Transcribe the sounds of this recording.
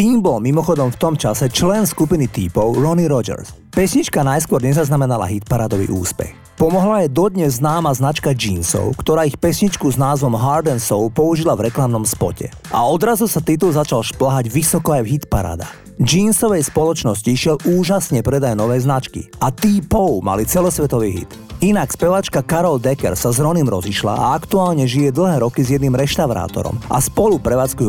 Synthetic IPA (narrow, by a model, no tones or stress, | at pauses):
t̪iːmbɔlmimɔxɔd̪ɔmft̪ɔmt͡ʃasɛt͡ʃlɛnskupinit̪iːpɔʊɾɔniɾɔd͡ʒɛ̰ɾs | pɛsɲit͡ʃkanajskʊɔɾɲɛzaznamɛnala̰ɦit̪paɾad̪ɔʋḭʔuːspɛ̰x | pɔmɔɦlajɛd̪ɔd̪ɲɛzːnaːmaznat͡ʃkad͡ʒiːnsɔ̰ʊkt̪ɔɾaːixpɛsɲit͡ʃkuznaːzʋɔmɦaɾd̪ɛnsɔʊpɔuʒilavɾɛklamnɔmspɔ̰cɛ̰ | ʔa̰ɔd̪ɾazusat̪it̪̬ulzat͡ʃalʃplaɦaɟʋisɔkɔajvɦit̪paɾa̰ːd̪a̰ | d͡ʒiːnsɔʋɛjspɔlɔt͡ʃnɔsciʃɪɛluːʒasɲɛpɾɛd̪ajnɔʋɛːznat͡ʃkḭat̪iːpɔʊma̰lit͡sɛlɔsʋɛt̪ɔʋiːɦḭt̪ | inakspɛʋat͡ʃkakaɾɔld̪ɛkɛ̰ɾsazɾɔniːmɾɔziʃla̰ʔa̰akt̪uaːlɲɛʒijɛd̪l̩ɦɛːɾɔkizjɛd̪niːmɾɛʃt̪aʊɾa̰ːt̪ɔ̰ɾɔ̰mʔa̰spɔlupɾɛʋaːt͡skuju